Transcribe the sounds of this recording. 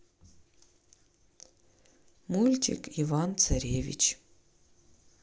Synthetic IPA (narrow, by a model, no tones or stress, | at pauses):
mulʲtʰḭkʰivant͡sʰɐɾʲevʲḭt͡ʃʰ